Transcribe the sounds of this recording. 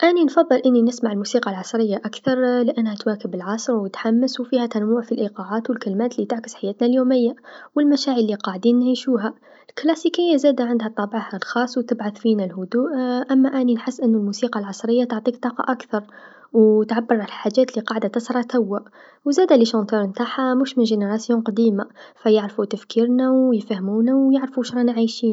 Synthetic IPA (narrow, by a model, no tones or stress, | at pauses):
ʔaninfɑðˤːɨlʔɪnːinɪsmaʕɪlmusiːqɑlʕɑsˤɾɪjːaʔakθɑɾˤlɪʔanːhæt̪waːkɪbɪlʕɑsˤɾwɪt̪ħamːɪswfiːhat̪anmuːʕfilʔiqɑʕaːt̪wɪlkalmæːt̪lit̪ɪʕkɪ̥sħajæːt̪naljoːmɪjːawɪlmaʃaːʕəlːiqɑʕd̪iːnːʕiːʃuːɦa | ɪlklæsiːkɪjːazæːd̪aʕɪnd̪hat̪ˤːɑbʕahalxɑːsˤːwt̪ɪbʕaθfiːnalhʊd̪uːʔʔæmːaʔæninħəsːʔənːʊlmusiːqɑlʕɑsˤɾəjːat̪ʊʕt̪ˤiːk̚t̪ˤɑːqɑ̰ʔakθɑɾˤ | wt̪ʕabːəɾˤʕalħaʒːæːt̪liqɑːʕd̪at̪ɑsɾˤɑt̪awːaʔ | wzæːd̪æliʃɑnt̪uɾmt̪aħamuʃmɪnʒeneɾˤɑsjoːnqɑd̪iːmafæjəʕɾfut̪afkiːɾnawjfæhmuːnawjaʕɾfuʃɾˤɑnʕajʃiːn